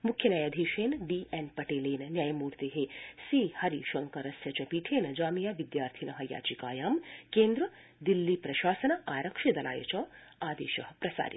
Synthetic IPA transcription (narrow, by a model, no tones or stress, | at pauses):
mukʰːjɐnɐjaːd̪ʱiːʃeːnɖiːʔenpɐʈeːleːnɐnjaːjɐmuːɾt̪eɦesiːhɐɾiʃɐŋkɐɾɐsjɐt͡ʃɐpiːʈʰeːnɐd͡ʒaːmijaːʋid̪jaːɾt̪ʰinɐɦɐja̰ːt͡ʃikaːjaːmkeːnd̪ɾɐ | d̪ilːipɾɐʃaːsɐnɐʔaːɾɐkʃɐd̪ɐla̰ːjɐ̰t͡ʃɐaːd̪ḛːʃɐɦɐpɾɐsa̰ːɾḭ